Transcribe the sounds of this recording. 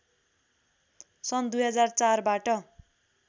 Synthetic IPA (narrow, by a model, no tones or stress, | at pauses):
sʌnd̪ujɦʌd͡zart͡sarbaʈʌ